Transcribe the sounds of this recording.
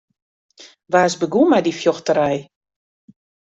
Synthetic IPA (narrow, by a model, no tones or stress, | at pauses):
ʋaːsbəɡumajdifjɔxtəɾɛj